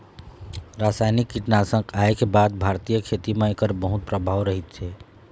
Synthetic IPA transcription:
ɾasajnikːiʈnasə̃ŋɡaekebad̪̚bʱaɾt̪ijəkʰet̪imẽekəɾbəɦut̪̚pɾəbʱaʋɾəɦit̪̚t͡ʃʰɛ

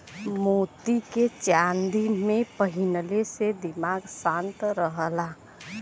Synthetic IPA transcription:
mot̪iket͡ʃand̪imẽpəɦinəlesed̪imaɡsãnt̪ɾəɦəla

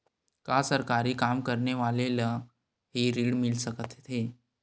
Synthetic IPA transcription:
kasəɾkaɾiːkamkəɾɳeʋalela | ɦiːɾiːɽmilsəkət̪t̪ɦe

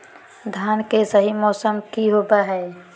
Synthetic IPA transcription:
d̪ʱaːnkesəɦimɔːsəmkiɦoːbaɦɛ

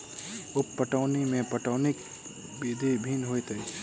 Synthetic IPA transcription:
ʊpːəʈaːnimẽpɐʈaːnɪk | biːd̪ʱebʱiːnɦoet̪əi

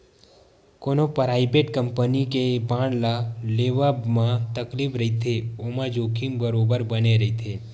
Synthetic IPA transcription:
konopɾaibeʈkəmpənikebãɳlaleʋabmãt̪əklipɾəɦit̪ʰeomãd͡ʒokʰĩmbəɾobəɾbəneɾəɦit̪ʰe

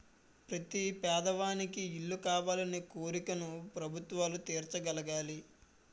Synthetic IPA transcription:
pɾɐt̪ipɛːd̪ɐʋaːnikiːɭːukaːʋaːlɐneːkoːɾikɐnupɾɐbʱut̪ʋaːlut̪eːɾt͡ʃɐɡɐlɐɡaːli

